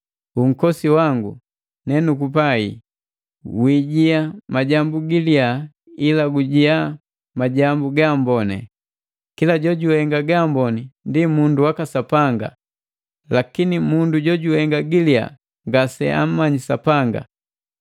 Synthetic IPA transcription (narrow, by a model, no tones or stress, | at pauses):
uŋ̩kɔsiwaŋɡṵ | nɛnukupaḭ | wiɟiamaɟambuɡilia | ilaɡuɟia | maɟambuɡambɔnɛ̰ | kilaɟɔɟuhɛŋɡaɡambɔnindimunduwakasapaŋɡa̰ | lakinimunduɟɔɟuhɛŋɡaɡilia̰ | ŋɡasɛ̰a̰m̩ːaɲisapaŋɡa̰